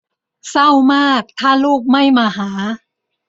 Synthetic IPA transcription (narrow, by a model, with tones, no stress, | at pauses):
sa˥˩wmaː˥˩k̚t̪ʰaː˥˩luː˥˩k̚ma˥˩jmaː˧ɦaː˩˦